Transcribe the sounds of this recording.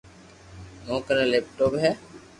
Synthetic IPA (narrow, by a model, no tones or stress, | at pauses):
mõːkəɾẽːleːp̚ʈoːpɦɛː